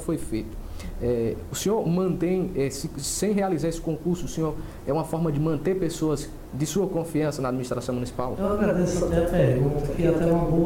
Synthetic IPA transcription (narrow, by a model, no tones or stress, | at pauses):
fojfejt̪ʊɛʊsẽɲoɾmɐ̃nt̪ẽj̃ɛsɪsẽj̃ɦealizaɾesɪ̥kõkuɾsʊːsẽɲoɾ | ɛũmɐfɔɾmɐd͡ʒɪmɐ̃nt̪eɾpesoɐz | d̪ɪsuɐkõfiɐ̃sɐnɐaːd̪miniʃst̪ɾasɐ̃munisi̥pawewaɡɾad̪esɛɐpeɾɡũt̪kɪat̪ɛɛũmɐbo